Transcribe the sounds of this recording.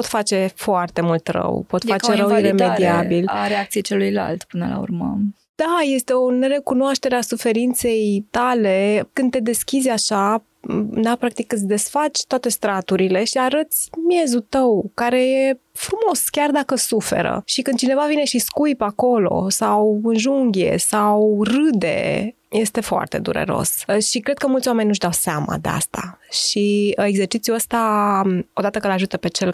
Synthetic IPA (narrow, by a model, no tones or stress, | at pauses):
pot̪fat͡ʃe̞foart̪e̞mult̪rə̰wpo̞t̪ffat͡ʃeɾəwire̞med̪iabilaɾeakt̪sijet͡ʃelujla̰lt̪pɨnəla̰ṵrmə̰ | d̪̥ajest̪e̞oneɾe̞kunoaʃt̪e̞ɾeasufe̞ɾint̪se̞jt̪ale̞kɨnd̪̚t̪e̞d̪e̞skʲizʲaʃa | d̪apɾak̚t̪ikːɨt̪sʲd̪e̞sfat͡ʃʲt̪oat̪e̞st̪ɾat̪uɾile̞ʃiaɾət̪sʲmije̞zut̪əwkaɾe̞je̞ | fɾumo̞skʲard̪akəsufe̞̰ɾə̰ʃikɨnd̪̚t͡ʃine̞vavine̞ʃiskujpako̞lo̞̰sawɨnʒuŋɡʲje̞̰sawrɨd̪e̞̰ | je̞st̪e̞foa̰rt̪e̞̰d̪ṵɾḛɾo̰sʃikɾed̪̚kəmult̪sʲwame̞ninuʃd̪awseama̰d̪e̞a̰st̪a̰ʃie̞ɡze̞rt͡ʃit̪sjuəst̪a | o̞d̪at̪əkəlaʒut̪əpe̞t͡ʃe̞l